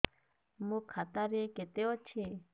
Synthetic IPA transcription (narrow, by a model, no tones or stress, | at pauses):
mũkʰat̪aɾeket̪eɔt͡ʃʰe